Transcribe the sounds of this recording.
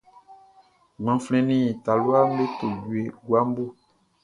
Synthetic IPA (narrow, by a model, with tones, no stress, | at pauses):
mã˨flɛ̃˨nĩ˦˨t̪a˨lo˦a˦m˦be˦t̪o˨ɟu˨e˨ɡu˦a˦m˦bo˦